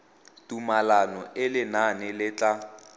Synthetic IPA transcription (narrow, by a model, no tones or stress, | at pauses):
tumalanɔʔɪlɪnanɪlɪt͡ɬʼa